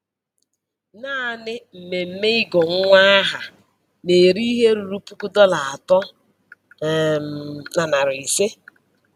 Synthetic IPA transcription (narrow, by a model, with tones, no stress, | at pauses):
naː˦nɪ˦m̩˨me˨m̩˦me˦i˦ɡɔ˨ŋ˦ŋʷa˦a˦ɦa˨ | ne˨ɾi˦ɦe˦ɾu˨ɾu˦pu˦ku˦dɔ˦la˨a˨tɔ˦ | na˨na˨ɾi˨se˦